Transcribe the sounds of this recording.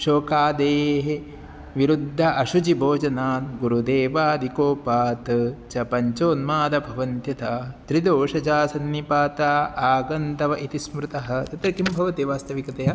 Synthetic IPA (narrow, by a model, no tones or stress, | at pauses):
ʃoːkaːd̪eːɦe | ʋiɾud̪ʱːɐʔɐʃud͡ʒibʱoːd͡ʒɐnaːnɡuɾud̪eːʋaːd̪ʱikoːpaːt̪t͡ʃɐpɐɲt͡ʃoːnmaːd̪ɐbʱɐʋɐnt̪jɐt̪ɐt̪ɾid̪oːʃɐd͡ʒaːsɐnːipaːt̪aːaːɡɐnt̪ɐʋɐʔit̪ismɾut̪ɐɦɐ̆t̪ɐt̪ɾɐkimbʱɐʋɐt̪iʋaːst̪ɐʋikɐt̪ɐjɐ